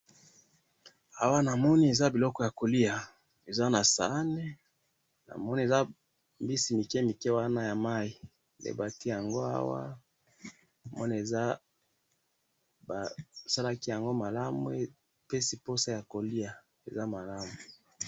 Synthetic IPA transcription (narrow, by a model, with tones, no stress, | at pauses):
a˦wa˦na˨mɔ˦ni˦e˨za˦bi˨lɔ˦kɔ˦ja˨ko˨li˦a˨ | e˨za˦na˨sa̰˨˦nɛ˦ | na̰˨mɔ˦ni˦e˨za˦ | mbi˦si˨mi˨kɛ˦mi˨kɛ˦wa˦na˦ja˨ma˦i˨ | lḛ˨ba˨ti˦ja˨ŋɡo˦a̰˦wa̰˦ | na˨mɔ̰˦ni˦e˨za˦ | ba˨sa˦la˦ki˦ja˨ŋɡo˦ma˨la˦mṵ˦e˦ | pe˦si˦po˦sa˦ja˨ko˨li˦a˨ | e˨za˦ma˨la˦mu˨